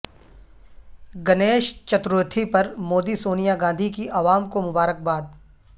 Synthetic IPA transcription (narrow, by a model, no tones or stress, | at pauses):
ɡɐneːʃt͡ʃɐt̪ɾʊt̪ʰipɐɾmoːd̪isoːnijaɡãːnd̪ʱikiʔɐʋaːmkomʊbaːɾək̚baːd̪̚